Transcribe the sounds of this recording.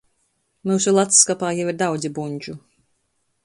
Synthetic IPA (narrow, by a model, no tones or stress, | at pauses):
muːsulˠat̪skapaːjaviɾd̪awd̪zʲibuɲʲd͡ʒu